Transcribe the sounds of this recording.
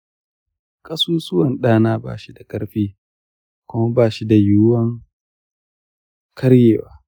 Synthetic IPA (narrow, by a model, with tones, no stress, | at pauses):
kʼɐ˦suː˦sʊ˦wɐ˨nɗaː˦naː˦ba̰ː˦˨ʃi˦da˨kʼɐ˦ɽɸiː˦ | kʷʊ˦mɐ˦baː˦˨ʃi˦da˨jʊ˦wɐ˦ŋ | kɐ˦ɽjeː˨waː˨˦